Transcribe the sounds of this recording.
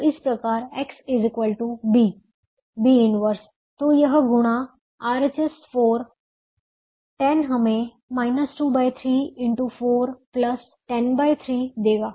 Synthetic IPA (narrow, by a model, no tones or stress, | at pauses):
ɪspɾəkaːɾeksɪzikʋəlʈubi | biɪnʋəɾs | t̪ojəɦɡʊɽ̃a | aːɾt͡ʃesfoːɾ | ʈɛnɦəme | maːɪnəsʈuːbaːjt̪ʰɾiːɪɳʈufoːɾpləs | ʈɛnbaːjt̪ʰɾiːd̪eːɡaː